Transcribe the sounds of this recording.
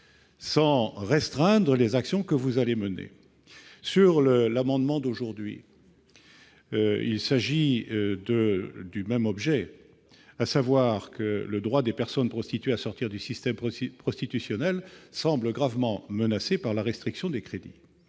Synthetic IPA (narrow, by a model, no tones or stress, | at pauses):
sɑ̃ʁɛst̪χɛ̃d̪ʁəlezaksjɔ̃kəvuzalemənḛ | syʁləlamɑ̃d̪mɑ̃d̪oʒuʁd̪ɥḭ | ḭlsaʒid̪əd̪ymɛmɔbʒɛ | asavwaʁkələd̪ʁwad̪epɛʁsɔnpχɔst̪it̪ɥeasɔʁt̪iʁd̪ysist̪ɛmpχɔst̪it̪ysjɔnɛlsɑ̃bləɡʁavmɑ̃mənasepaʁlaʁɛst̪χiksjɔ̃d̪ekχed̪ḭ